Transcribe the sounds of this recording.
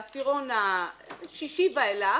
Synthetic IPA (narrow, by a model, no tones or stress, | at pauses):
fiʁonaʃiʃivaela